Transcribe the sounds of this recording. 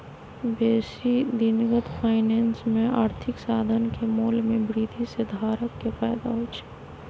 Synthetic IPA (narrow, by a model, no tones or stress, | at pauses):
beːsid̪ɪnɡət̪pʰaːɪneːnsmẽaːɾt̪ʰɪksaːd̪ʱənkemoːlmẽbɾiːd̪ʱised̪ʱaːɾəkːefaːɪd̪aɦot͡ʃʰe̥